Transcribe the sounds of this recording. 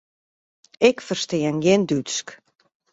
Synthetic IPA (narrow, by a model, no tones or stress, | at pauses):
ɪkfərstɪənɡɪndysk